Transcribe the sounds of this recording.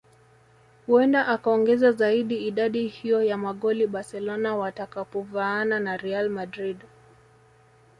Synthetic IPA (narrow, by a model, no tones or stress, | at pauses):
huɛndaʔakaɔŋɡɛzazaiɗiːɗaɗihijɔjamaɠɔliɓaɾsɛlɔnawatakapɔvaːnanaɾɛalmadɾid